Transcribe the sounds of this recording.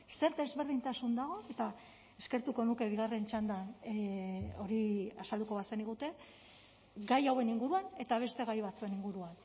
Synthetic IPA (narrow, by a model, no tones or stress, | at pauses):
se̞ɾd̪e̞zβe̞ɾð̞int̪asund̪aɣ̞o̞e̞t̪a | eske̞ɾt̪uko̞nuke̞β̞iɣ̞are̞nt͡ʃand̪an | o̞ɾiasald̪uko̞βaseniɣ̞ut̪e̞ | ɡajawe̞niŋɡuɾuane̞t̪aβ̞e̞st̪e̞ɣajβat͡sue̞niŋɡuɾuan